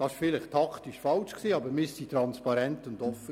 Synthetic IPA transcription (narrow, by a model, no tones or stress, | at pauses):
d̥ɑɪʃfɪlɪχtʰɑkʰt̪iʃfɑlʃksiːɑbəmɪsitɾɑnspɑɾɛntʊndɔfə